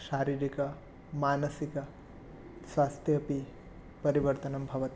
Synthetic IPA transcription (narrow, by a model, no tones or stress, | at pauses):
ʃaːɾiːɾikɐ | maːnɐsikɐ | sʋaːst̪ʰjɐpi | pɐɾiʋɐɾt̪ɐnɐmbʱɐʋɐt̪i